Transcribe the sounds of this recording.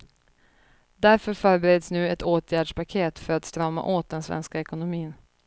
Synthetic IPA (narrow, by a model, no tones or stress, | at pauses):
d̪æɾfœɾfœːɾbɛɾeːd̪snʉ̟ːɛt̪oːt̪ʰjæːɖʂpakʰeːt̪fœɾat̪st̪ɾœmːa̰ʔoːt̪̚d̪ɛnsvɛ̰nskaɛkʊnʊmiːn